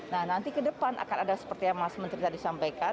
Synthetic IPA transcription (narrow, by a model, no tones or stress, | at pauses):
nahnant̪ikədəpanʔa̰kanadasə̥pərt̪ijaŋmasmənt̪ɾit̪adisampajka